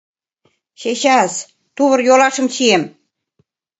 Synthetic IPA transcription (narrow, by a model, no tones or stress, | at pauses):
ɕeɕɑs | t̪uβɤ̆rjolɑʃɤ̆mɕiem